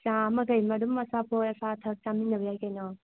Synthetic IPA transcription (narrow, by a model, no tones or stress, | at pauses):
t͡ʃãmɐɡɐjmɐɾumːɐsapʰojɐsatʰɐk̚taminːɐbijajkajnɔ